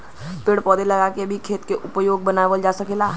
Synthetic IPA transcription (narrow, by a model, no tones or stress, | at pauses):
peɽpɔːd̪elɐɡaːkebʱikʰeːt̪keʔʊpəjoːɡ̚bənaːʋəld͡ʒaːsɐkeːlaː